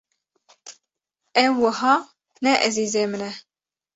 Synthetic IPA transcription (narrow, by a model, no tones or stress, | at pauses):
ɛwːəɦɑː | nɛʔɛziːzeːmɨnɛ